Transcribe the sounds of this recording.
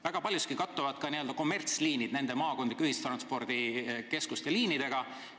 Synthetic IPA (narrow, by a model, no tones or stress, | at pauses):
væɡ̥ɑpɑlʲjuskikɑt̪ˑːuvɑd̪̥kɑniøld̪ɑko̞mːe̞rt̪sliːnid̪̥ne̞nd̪e̞mɑːko̞nd̪likːˑyhist̪rɑnspo̞rd̪̥ike̞skust̪jɑliːnid̪̥e̞ɡ̥ɑ